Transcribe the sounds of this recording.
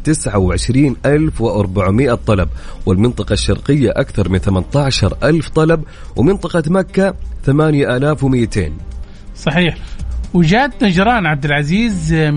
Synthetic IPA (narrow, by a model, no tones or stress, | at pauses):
t̪ɪsʕawʕɪʃɾiːnʔalfwɪʔɑɾˤbaʕmɪʔat̪ˤːɑlɑbwɪlmɪnt̪ˤɑqɑʃːɑɾˤqɪjːaʔakθɑɾˤmɪnθamant̪aʕʃɑɾˤʔalft̪ˤɑlɑb | wɪmɪnt̪ˤɑqɑmakːaθamaːnjaʔalaːfwmɪjːat̪ḛːn | sˤɑħiːħwɪd͡ʒaːd̪nad͡ʒɾˤɑːnʕab̚d̪ɪlʕaziːz